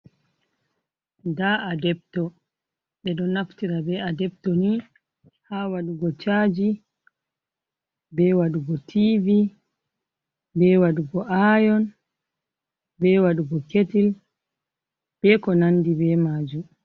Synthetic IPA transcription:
daadɛbtɔ | ɓɛɗɔnaftiɾabɛadɛb̚tɔni | hawaɗuɡɔt͡ʃaːd͡ʒi | bɛwaɗuɡɔtʰivi | bɛwaɗuɡɔʔajɔn | bɛwaɗuɡɔketil | b̥ɛkɔnandibɛmaːd͡ʒum

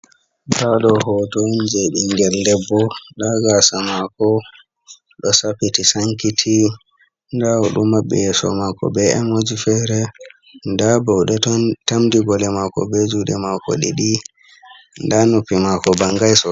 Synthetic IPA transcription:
baɗɔhɔtond͡ʒɛɗiŋɡɛldɛbːɔɗaɡasamakɔ | ɗɔsapitisaŋkitʰi | ndawɔɗumːaɓːɛ̰jɛsɔ̰makɔ̰bɛɛmod͡ʒifɛɾɛ | ndabɔwɗɛtamdiɡɔlɛmakɔ̰bed͡ʒuɗɛmakɔ̰ɗḭɗi | ndanupːimakɔbaŋɡajsɔ

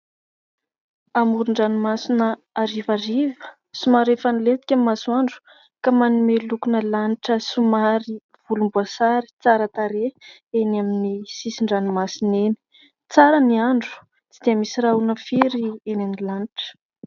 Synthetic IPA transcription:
amuɾuɳɖ͡ʐanimasinə | aɾivaɾivə̥ | sumaɾefanilet̪i̥kʲamasuaɳɖ͡ʐu̥ | kamanumelukunəlaniʈ͡ʂəsumaɾi | v̥ulumbuasaɾi̥t͡saɾət̪aɾe | enaminisisiɳɖ͡ʐanimasineni̥ | t͡saɾəniaɳɖ͡ʐu̥ | t͡sid̪̥eəmisiraunəfiɾienanilaniʈ͡ʂə̥

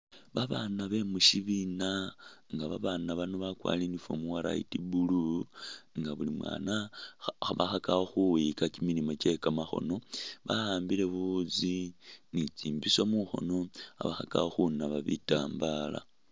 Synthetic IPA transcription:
βaβanaβe̞muʃiβinaŋɡaβaβanaβanoβakwa̰ːlinifo̰muwaɾa̰itibulu | ŋɡaβulimwa̰ːnaxaβaxakaoxuwikakimilimo̞t͡ʃe̞kamaxo̞̰no̞βahaːmbile̞βuzinit͡siːmbisomuxo̞̰no̞a̰βaxaka̰oxunaβaβḭta̰ːmbala̰

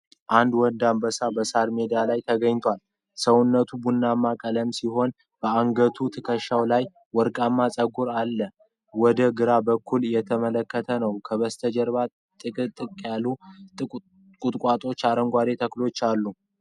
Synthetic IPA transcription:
ʔand̪wɔnd̪ambəsabəsaɾme̞d̪ialajt̪ʰəɡəɲt̪ʰwal | səwʊnːət̪ʰubunːamːakʼələmsiɦo̞n | b̥əaŋɡət̪ʰut̪ʰɨkʰəʃːawlaj | wɔɾkʼamːasʼəɡuɾalːə | wɔd̪əɡɨɾabəkʰːuljɛt̪ʰəmələkːət̪ʰənəwkʰəβəst̪ʰəd͡ʒəɾβa | t̪ʼɨkʼɨt̪ʼːɨkʼjalːu | kʼut̪ʼkʷʼat̪ʼo̞t͡ʃːaɾəŋɡʷad̪e̞t̪ʰəklo̞t͡ʃːalːu

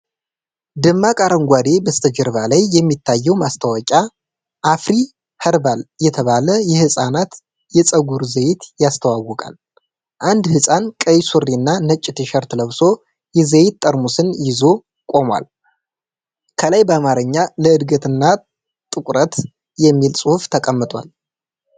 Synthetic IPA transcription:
d̪ɨmːakʼaɾəŋɡʷad̪e̞bəst̪ʰəd͡ʒəɾβalajːɛmːit̪ʰːajːɛwmast̪ʰawɔkʼa | ʔːfɾi | həɾbaljɛt̪ʰəβaləjɛhɨsʼanat̪ | jɛt͡sʼəɡuɾzəjɪt̪jast̪ʰəwawːɔkʼa̰l | ʔand̪hɨsʼankʼəjsurːiɨnːanət͡ʃʼːɪt̪ʰeʃəɾt̪ləβso̞ | jɛzəjt̪t̪ʼːəɾmusɨnjɪzo̞ | kʼo̞mwa̰l | kʰəlajbəamaɾɨɲːaləɨd̪ɡət̪ɨnːa | t̪ʼɨkʷʼɾət̪ | jɛmːilsʼuhuft̪ʰəkʼəmːɨt̪ʼwa̰l

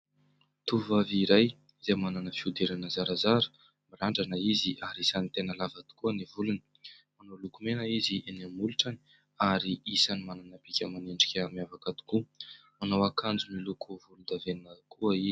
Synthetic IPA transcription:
t̪uvaviɾaj | zemananəfiud̪eɾanəzaɾazaɾə̥ | miraɳɖ͡ʐanəiziʔaɾisanit̪enəlavat̪u̥kuanivulunə̥ | manowlukumenaiziʔenamuluʈ͡ʂani̥ | aɾiisanimananabikʲəmaneɳɖ͡ʐikʲamjavakat̪u̥ku | manawakand͡zumilukuvulund̪avenəkuaizi

